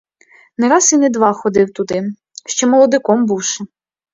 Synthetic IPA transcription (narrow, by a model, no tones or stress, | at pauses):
nɛɾɑsinɛd̪ʋɑxɔd̪ɪwt̪ʊd̪ɪ | ʃt͡ʃɔmɔlˠɔd̪ɪkɔmbuwʃɛ